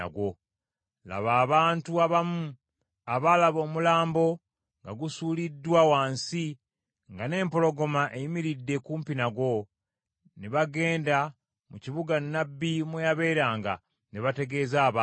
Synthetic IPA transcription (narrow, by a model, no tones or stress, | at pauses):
a̰ɡwo̞ | la̰βaːβaːntuaβamu | aβalaβo̞ːmulaːmbo̞ | ŋɡaɡusuːlidːwawaːnsi | ŋɡane̞ːmpo̞lo̞ɡo̞maʔe̞jimiɾidːe̞kuːmpinaɡwo̞ | neβaɡe̞ːnda | muciβuɡanːabːimwejaβe̞ːɾaːŋɡa̰ | neβate̞ɡe̞zaːβa